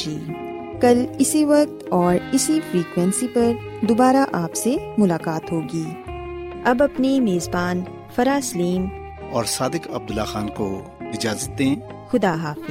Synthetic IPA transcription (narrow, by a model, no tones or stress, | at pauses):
d͡ʒiː | kɐlɪsiʋɐk̚t̪ɔːɾɪsifɾiːkwɛ̃nsipɐɾ | d̪obaːɾaʔaːpsemʊlaːkaːt̪ɦoːɡiː | ɐbɐpnimeːzbaːn | fɐɾaːsliːm | ɔːɾsaːd̪ɪkɐb̚d̪ʊlːaxaːnko | ɪd͡ʒaːzət̪ːeɛ̃ː | xʊd̪aːɦaːfɪ